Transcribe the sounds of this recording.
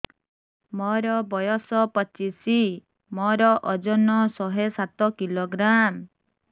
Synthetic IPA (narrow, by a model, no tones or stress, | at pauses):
mɔɾɔbɔjɔsɔpɔt͡ʃisi | mɔɾɔʔɔd͡ʒɔnɔsɔɦesat̪ɔkiloɡɾam